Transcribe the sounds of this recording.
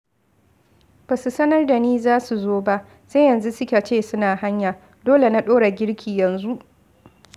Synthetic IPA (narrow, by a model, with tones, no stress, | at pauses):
b̥a˨su˨sɐ˦nɐ˦rda˨niː˦zaː˦su˨zoː˦ba˦ʔ | se˦jɐ˨nzu˦sʊ˦kʲa˨t͡ʃeː˦˨sʊ˦naː˨ha˦ɲjaː˨ | doː˦le˨na˦ɗoː˦ɽa˨ɡʲɪ˦ɽkʲʰiː˨jɐ˨nzu˦ʔ